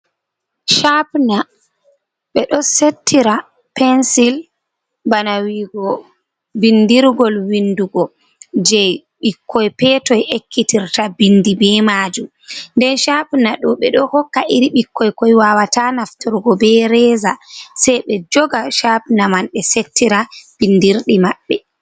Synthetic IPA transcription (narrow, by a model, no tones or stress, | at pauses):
ʃapna | ɓɛɗɔsetʰːiɾa | pɛnsil | banawiɡɔ | bindiɾɡɔlwinduɡɔ | d͡ʒɛj | ɓikʰːɔjpɛtɔjʔekːitiɾtabindibɛmaːd͡ʒum | ndɛnʃapnaɗɔɓɛɗɔhɔkːaʔiɾiɓikʰːɔjkɔjwawatanaftɔɾɡɔbɛɾɛːzasɛjɓɛd͡ʒɔɡaʃapnamanɗɛsetʰːiɾab̥indiɾɗimaɓːɛ